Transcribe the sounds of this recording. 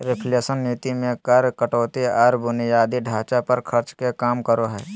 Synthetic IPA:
ɾɪpʰleːsənːiːt̪imẽkəɾkəʈoːt̪iɔːɾbʊnjaːd̪iɖʱaːt͡ʃapəɾkʰɐɾt͡ʃkekaːmkəɾoɦɛː

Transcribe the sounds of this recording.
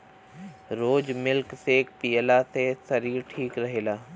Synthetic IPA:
ɾoːd͡ʒmɪlkseːk̚piːəlasesɐɾiːɾʈʰiːkɾɐɦeːlaː

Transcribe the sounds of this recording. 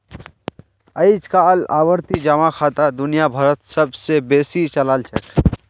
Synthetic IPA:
ɐit͡ʃkaːla̰ːwəɾt̪id͡ʒɐmakʰaːt̪ad̪ʊnijabʱɐɾət̪sɐbsebeːsit͡ʃɐlaːlt͡ʃʰək

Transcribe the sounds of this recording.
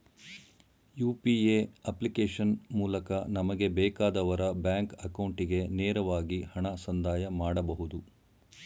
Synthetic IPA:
juːpieːɐplikeːʂɐnmuːlɐkɐnɐmɐɡe̞bɛːkaːd̪ɐʋɐɾɐbjaːŋkɐkɐwɳʈiɡe̞neːɾɐʋaːɡihɐɳɐsɐnd̪ʱaːjɐmaːɽɐbɐɦud̪u

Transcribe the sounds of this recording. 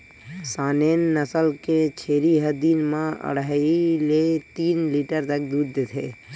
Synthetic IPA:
saːnenːəsəlket͡ʃʰeːɾiɦəd̪inmãə̰ɽailet̪iːnliʈəɾt̪ək̚d̪uːɾd̪et̪ʰeː

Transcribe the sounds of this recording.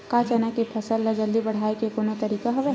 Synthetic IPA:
kat͡ʃanakepʰəsəlːəd͡ʒəld̪ibəɽ̤aːekekonot̪əɾiːkaɦɐʋɛ

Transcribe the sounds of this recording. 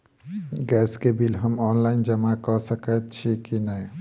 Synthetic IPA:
ɡɛskebilɦəmɔnlaɪnd͡ʒəmakɔsəkət̪t͡ʃʰikinəj

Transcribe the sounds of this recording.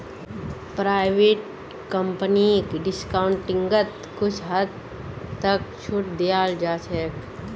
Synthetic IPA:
pɾaːɪʋeːʈ | kəmpənikɖɪskaːʊɳʈːɪ̃ŋɡət̪ | kʊt͡ʃʰɦəd̪ | t̪ək̚t͡ʃʰʊʈd̪ijaːld͡ʒaːt͡ʃʰɛːk

